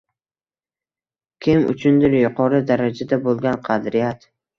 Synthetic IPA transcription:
kʲʰɪmʊ̰t͡ʃʰʊnd̪ɪɾjʊqʰɒɾɪd̪aɾad͡ʒad̪abolˠɡʲanqʰɑd̪ɾɪjat̪

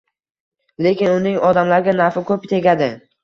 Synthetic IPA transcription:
le̞kʲɪnʊnɪŋɒd̪amlaɾɡʲanaɾfɪkʰʲɵpt̪ʰe̞ɡʲad̪ɪ

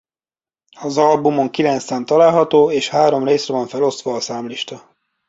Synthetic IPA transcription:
ɒzɒlbumo̞ŋkilɛnt̪saːnt̪ɒlaːlɦɒt̪oːeːʃhaːɾo̞mreːsrɛvɒɱfɛlo̞st̪ʋɒːsaːmliʃt̪ɒ

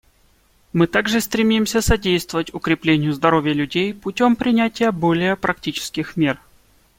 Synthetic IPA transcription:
mɨt̪aɡʐɨst̪ɾʲɪmʲimsʲəsɐdʲejst̪vəvətʲʊkɾʲɪplʲenʲɪjʊzd̪ɐɾo̞vʲɪjəlʲʉdʲejpʊtʲo̞mpɾʲɪnʲætʲɪjəbo̞lʲɪjəpɾɐktʲit͡ɕɪ̥skʲɪxmʲer

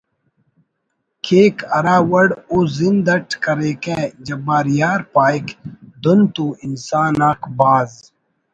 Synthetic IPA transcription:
kʰeːkʰɐɾaːwɐɽoːzind̪ɐʈʰkɐɾeːkẽːd͡ʒɐbaːɾijaːɾpaːjkd̪ont̪uːinsaːnaːkbaːz

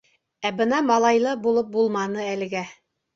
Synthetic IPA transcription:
æbɤnɑmɑlˠɑjlˠɤbulˠɤp̚bulˠmɑnɤælɘ̆ɡæ

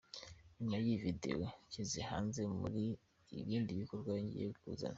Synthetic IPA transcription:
ɲimajivide̞̰wocizehaːnze̞mṵɾiː | βiːndiβiko̞ɾɡwaβiɲɟḭjeβikṵːza̰na

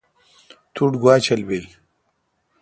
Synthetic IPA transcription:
t̪ʰuʈɡwaːt͡ɕʰɐlbej

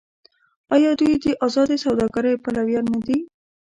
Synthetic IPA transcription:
ɑjɑd̪ujd̪əʔɑzɑd̪esawd̪ɑɡaɾəjpalawjɑnːad̪i

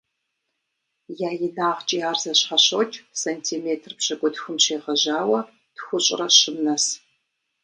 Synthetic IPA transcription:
jaːjɪnaːʁt͡ʃʼiaːrzɐɕχɐɕot͡ʃʼsɐntʰiːmeːtʰrpɕɐkʷʼʊdxʷʊmɕeːʁɐʑaːwɐ | d̥xʷʊɕʼɪ̰rɐɕɪmnɐs

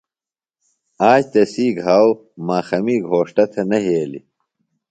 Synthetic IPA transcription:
aːd͡ʑt̪ɐsiːɡɦaw | maːxɐmiːɡʱoːʂʈɐt̪ʰɐnɐɦeːlḭ

